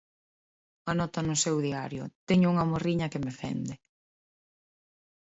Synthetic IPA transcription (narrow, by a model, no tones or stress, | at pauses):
anɔt̪ɐnʊsewðiaɾjʊ̰t̪ɛɲʊuŋɐmoriɲɐkemefɛ̰nd̪ɪ